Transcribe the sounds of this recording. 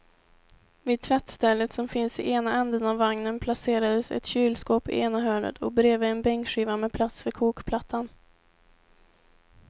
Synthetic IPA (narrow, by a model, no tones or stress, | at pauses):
viːd̪̚t̪ʰvɛt̪st̪ɛlːət̪sɔmfɪnsɪʔeːnaɛnd̪ənavːaŋnənpʰlaseːɾad̪əsɛ̰t̪ɕyːlskoːpɪ̰ʔeːnaɦœːɳə̰t̪ʰɔ̰bɾeːvəːnbɛŋkɧiːvamɛpʰlat̪sfœɾkʰuːkpʰlat̪ʰːan